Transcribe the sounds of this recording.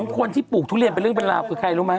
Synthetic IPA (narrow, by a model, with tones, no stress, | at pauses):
ŋkʰo˧nt̪ʰiː˥˩puː˨˩k̚t̪ʰuː˦˥˩li˧np̬nɾɯ˥˩ə˨ŋpe˧nla̰ː˧˩wkʰɯː˧kʰa˧jɾuː˦˥ma˦˥